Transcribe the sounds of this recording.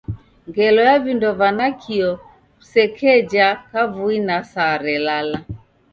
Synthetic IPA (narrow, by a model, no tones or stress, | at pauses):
ŋɡɛlɔjavindɔvanakʰiɔ | sɛkʰɛd͡ʒakavuinasaɾɛlala